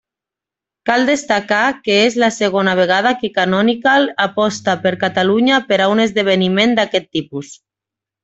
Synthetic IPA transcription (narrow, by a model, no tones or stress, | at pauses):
kald̪est̪akakeezlaseɣonaβ̞eɣ̞að̞akekanɔnikalapɔst̪apeɾkat̪aluɲapeɾaunezðeβ̞enimẽnd̪akɛt̪ːipus